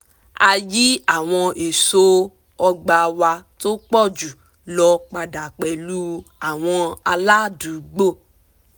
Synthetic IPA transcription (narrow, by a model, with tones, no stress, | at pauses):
a˧ji˦a˦˨w̃ɔ̃˧e˨so˦ | ɔ˧ɡ͡ba˧wa˧to˦k͡pɔ˦˨d͡ʒu˨ | lɔ˧k͡pa˧da˨k͡pɛ˨lu˦a˨w̃ɔ̃˧a˧la˦˨du˨˦ɡ͡bo˦˨